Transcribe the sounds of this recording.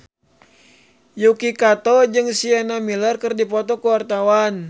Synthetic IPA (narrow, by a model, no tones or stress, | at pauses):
jukikat̪ɔd͡ʒɨŋsianamilərkərdipɔt̪ɔkəwart̪awan